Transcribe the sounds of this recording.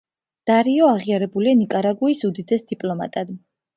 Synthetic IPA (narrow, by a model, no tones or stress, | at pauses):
d̪̥aɾiɔaʁiaɾɛbulianikʼaɾaɡuisud̪id̪ɛsd̪ipʼlɔma̰t̪ʼad̪